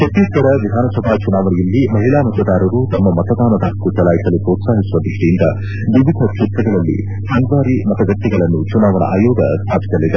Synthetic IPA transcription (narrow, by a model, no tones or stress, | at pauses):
pɐt̪ːiːɐɾɐʋid̪ʱaːnɐsɐbʱat͡ʃunaːʋɐnɛjɐlːimɐɦilaːmɐt̪ɐd̪aːɾɐɾut̪ɐmːɐmɐt̪ɐd̪aːnɐd̪aːkːut͡ʃɐlaːjisɐlupɾoːt̪saːɦisuʋɐbiʂʈijind̪ɐ̰ | ʋiʋid̪ʱɐt͡ʃit̪ɾɐɡɐɭɐlːḭ | sɐŋɡ̪ʋaːɾimɐt̪ɐɡɐʈːiɡɐɭɐnːut͡ʃunaːʋɐnɐ̰ʔaːjoːd̪ɐ̰st̪ʰaːpʰi̥sɐlːid̪e